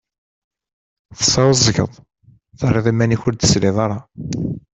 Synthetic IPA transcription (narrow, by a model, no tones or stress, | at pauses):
θə̥sːɑwəzˤːəʝə̰ðˤ | θərˤːeðˤimːæniçʊɾd̪ə̥sliðˤɑɾˤɑ